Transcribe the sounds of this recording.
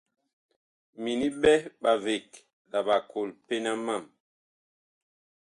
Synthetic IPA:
mi˨ni˦ɓɛ˦ɓa˨ve˨k | la˨ɓa˨ko˨lpe˦na˦ma˦˨m

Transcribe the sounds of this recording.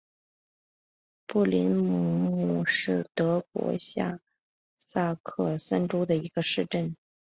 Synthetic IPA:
pu˥˩li˧˥nmu˨˥˩mu˥˩ʂɻ̩˥˩t̪ɤ˧˥kwɔ̰˧˥ɕja̰˥˩ | sa˥˧kʰɤ˥˩sa˥nʈ͡ʂo˥d̪ə˨i˧˥ɡ̥ə˧ʂɻ̩˥˧ʈ͡ʂə˥˩n

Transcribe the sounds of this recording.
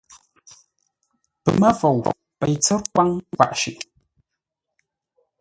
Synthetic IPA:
pə̰˨ma˦vo˨w | pɛ˨jt͡sɛ˦ɾk̚wa˦ŋ˦va̰˨ʔʃḭ˨ʔ

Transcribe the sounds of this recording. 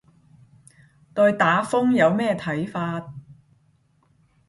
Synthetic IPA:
t̪ɔː˧ɥt̪aː˨˥fʊ˥ŋjɐ˨˧wmɛː˥t̪ʰɐ˨˥jfaː˧t̚

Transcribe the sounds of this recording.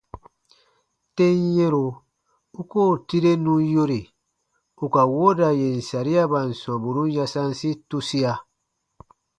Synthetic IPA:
te˦n˦je˦ɾo˨ | u˦ko˦˨ti˦ɾe˦nũ˦jo˦ɾe˨ | u˨ka˨wo˦da˨je˨n̩˨sa˨ɾi˦a˦ba˨n̩˨sã˨bu˨ɾũ˦ja˦sã˦n˦si˦tu˦si˦a˨

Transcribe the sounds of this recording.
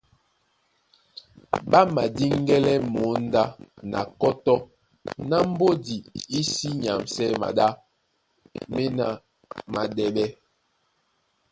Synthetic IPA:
ɓa˦ma˨di˦ŋ˦ɡɛ˦lɛ˦mo˨˦n˦da˦nʔa̰˨kɔ˦tɔ˦ | na˦m̩˦bo˦di˨i˦si˦ɲa˨msɛ˦ma̰˨da˦ | me˦na˨ | ma˨dɛ˨lɛ˦

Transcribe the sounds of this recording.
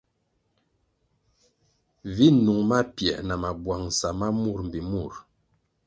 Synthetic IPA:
vi˦nu˨ŋma˦pjɛ˨ʔna˨ma˨bwa˨ŋsa˨ma˦mu˦˨ɾm̩˨bi˨mu˦˨ɾ

